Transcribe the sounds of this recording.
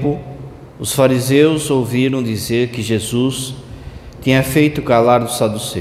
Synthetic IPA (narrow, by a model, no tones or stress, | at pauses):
pʊ | ʊsfaɾizewzowviɾɐ̃w̃d̪izeɾkɪʒezus | t̪ĩɲɐfejt̪ʊkalaɾd̪ʊsad̪use